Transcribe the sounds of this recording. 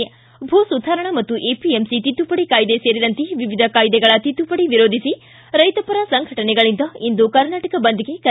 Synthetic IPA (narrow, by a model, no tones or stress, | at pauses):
bʱoːsud̪ʱaːɾɐɳɐmɐt̪ːuʔeːpiemsit̪it̪ːupɐɽikaːjd̪eseːɾid̪ɐnt̪eʋiʋid̪ʱɐkaːjd̪ɛɡɐɭɐt̪it̪ːupɐɽiʋiɾoːd̪ʱisi | ɾɐjt̪ɐpɐɾɐsɐŋɡʱɐʈɐnɛɡɐɭind̪ɐind̪ukɐɾnaːʈɐkɐbɐnd̪iɡe̞kɐ